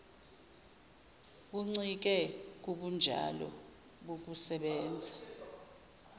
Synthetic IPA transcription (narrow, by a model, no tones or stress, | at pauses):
k̬uŋ͡ǀik̬ɛk̬uɓund͡ʒʱa̰lɔ̰ | ɓok̬usɛɓɛːnd͡zʱa